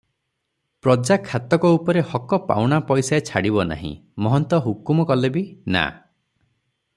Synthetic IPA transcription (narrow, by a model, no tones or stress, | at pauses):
pɾɔd͡ʒakʰːat̪ɔkɔupɔɾehɔkɔpa̰wɽ̃apɔjsaet͡ʃʰaɽibɔna̰ɦḭ̃mɔɦɔnt̪ɔɦukumɔkɔlebina̰